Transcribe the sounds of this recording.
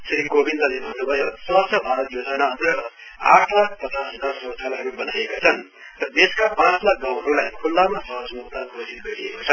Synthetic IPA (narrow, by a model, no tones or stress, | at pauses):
sɾiɡobʱind̪ʌlebʱʌnːubʱʌjosʌsʰʌbʱaɾʌt̪jod͡zʌnaʌnt̪ʌr | a̰ʈʰlak̚pʌt̪asinasʌsʰʌlɦʌɾubʌnajekat͡sʰʌn | rʌd̪eskapãt͡slak̚ɡawɦʌɾulajkʰulːamasʌɦʌsmukt̪akʰod͡zit̪̚ɡʌɾḭḛkot͡sʰʌn